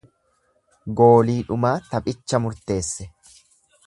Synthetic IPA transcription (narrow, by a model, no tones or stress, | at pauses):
ɡo̞ːliːᶑʊmaːt̪ɐpʼɪt͡ʃːɐmʊɾt̪e̞ːsːɛ